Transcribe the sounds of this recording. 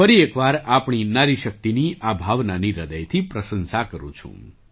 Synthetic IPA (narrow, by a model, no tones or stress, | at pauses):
fəɾiekʋaɾapɳ̃inaɾiʃək̚t̪iniʔabʱaʋnaniɾəd̪əjt̪ʰipɾəsənsakəɾṵ̃t͡ʃʰṵ̃